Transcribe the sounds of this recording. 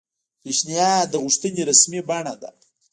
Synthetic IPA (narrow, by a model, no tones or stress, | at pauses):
peʃnijɑd̪əɣʊʂt̪əneɾasmibaɳad̪a̰